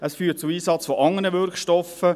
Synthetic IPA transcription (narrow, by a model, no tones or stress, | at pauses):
əsfyːt̚t͡suiːsɑt͡sfɔʔɑŋənəʋʏɾkʃtɔfə